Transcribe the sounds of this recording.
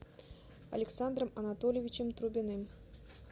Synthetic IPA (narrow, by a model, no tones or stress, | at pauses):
ɐ̰lʲɪksand̪rəmɐnat̪olʲjevʲit͡ɕɪmt̪ɾubʲɪnɨm